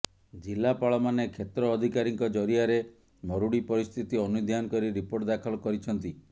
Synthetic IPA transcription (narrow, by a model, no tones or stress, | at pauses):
d͡ʒilːapaɭɔmanekʰet̪ɾɔːd̪ʱikaɾiŋkɔd͡ʒɔɾiaɾe | mɔɾuɽipɔɾist̪ʰit̪iɔnud̪ʱjanɔkɔɾiɾipoɾʈd̪akʰɔlɔkɔɾit͡ʃʰɔnt̪i